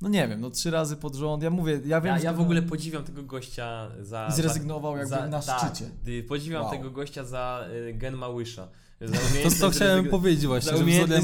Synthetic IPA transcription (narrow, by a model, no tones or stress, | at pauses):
nɔɲɛvʲjɛmnɔtʂɘɾazɘpɔd̪ʐɔnt̪jamuvʲjɛjavʲjɛmjavɔɡulɛpɔd͡ʑivʲjamt̪ɛɡɔɡɔɕt͡ɕa | zaizɾɛzziɡnɔvawjaɡ̚bɘnaʂɨt͡ɕɛpɔd͡ʑivʲjamt̪ɛɡɔɡɔɕt͡ɕazaɡɛnmawɘʂa̰ | zaumʲeɔɔxt͡ɕawɛmpɔvʲjed͡ʑet͡ɕvwaɕɲɛʐmʲɔlʲ